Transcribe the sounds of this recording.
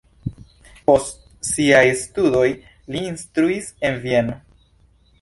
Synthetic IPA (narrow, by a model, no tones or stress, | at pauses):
po̞st | siajstudo̞j | liːnstɾuise̞nvie̞no̞